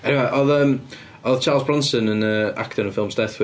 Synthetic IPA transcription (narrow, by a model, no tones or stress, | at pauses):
ɛnwɛʔɔðəːm | ɔðt͡ʃʰaːlˠsbɹɔnsənənəːa̰ktʰɔɾənfɪlˠmsd̥ɛθwɪ